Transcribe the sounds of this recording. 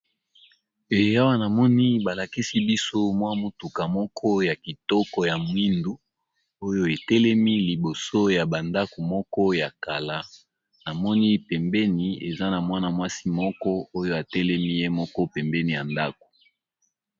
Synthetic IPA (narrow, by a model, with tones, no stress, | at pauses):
e˨˦a˦wa˦na˨mɔ˦ni˦ba˨la˨ki˦si˦bi˦so˦mwa˦mu˦tu˨ka˨mɔ˦kʰɔ˦ja˨ki˨tɔ˦kɔ˨ja˨mwi˦ndu˦ | o˦jo˦e˨tɛ˦lɛ˦mi˦li˨bo˨so˦ja˨ba˨nda˦ko˨mɔ˦kɔ˦ja˨ka˨la˦ | na˨mɔ˦ni˦pɛ˨mbɛ˦ni˨e˨za˦na˨mwa˦na˨mwa˦si˦mɔ˦kɔ˦o˦jo˦a˨tɛ˦lɛ˦mi˦je˦mɔ˦kɔ˦pɛ˨mbɛ˦ni˨ja˨nda˦ko̥˨